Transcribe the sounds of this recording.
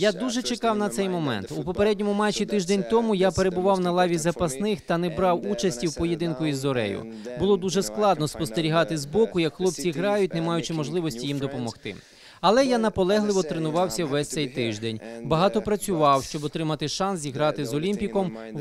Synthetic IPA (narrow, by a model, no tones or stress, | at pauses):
jad̪uʒɛt͡ʃekɑwnɐt̪sɛjmɔmɛ̰nt̪upɔpeɾɛdʲnʲɔmʊmɛt͡ʃʲːit̪ɪʒd̪enʲt̪ɔmʊjapeɾe̞bʊʋɑwnɐlˠɑʋʲizɐpɐsnɪxt̪ɐnɛbɾɑwut͡ʃɐsʲtʲiwpɔjed̪ɪnkʊizːɔɾɛ̰jʊ̰ | bʊlˠɔd̪uʒɛsklˠɑd̪nɔspɔst̪eɾʲiɦɑt̪ɪzbɔkʊjɐkxlˠɔp̚t͡sʲiɦɾɑjʊt̚ʲnemɑjʊt͡ʃɪmɔʒlˠɪʋɔsʲtʲijimd̪ɔpɔmɔxt̪ɪ̰ | ɐlˠɛjanɐpɔlˠɛɦlˠɪʋɔt̪ɾenʊʋɑwsʲɐʋɛsʲt̪sɛjt̪ɪʒd̪enʲbɐɦɑt̪ɔpɾɐt͡sʲʊʋɑwʃt͡ʃɔbɔt̪ɾɪmɐt̪ɪʃɑns̬iɦɾɑt̪ɪzɔlʲimʲpʲikɔm